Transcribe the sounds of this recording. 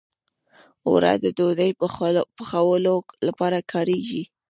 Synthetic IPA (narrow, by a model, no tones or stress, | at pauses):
wɾa̰d̪əd̪od̪əjpəxawəlolapɑɾakʰɑɾeʒi